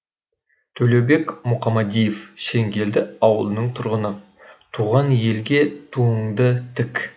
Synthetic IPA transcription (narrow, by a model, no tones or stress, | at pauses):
t̪ʰɵle̞wbe̞kmʊqʰɑmɑd̪ijefʃe̞ŋɡʲe̞ld̪ɪɑwəlˠənəɴt̪ʰʊɾʁənə | t̪ʰuʁɑnje̞lɡʲe̞t̪ʰuəɴd̪ət̪ʰɪk